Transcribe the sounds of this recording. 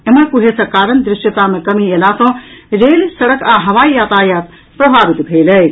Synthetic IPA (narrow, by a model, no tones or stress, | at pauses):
eməɾkuɦesɐ̃kaːɾənd̪ɾɪʃʈjət̪amẽkɐmielasɔ̃ɾeːlsɐɽəkaɦɐʋaːijaːt̪aːjaːt̪ | pɾɐbʱaːʋit̪bʱeːlə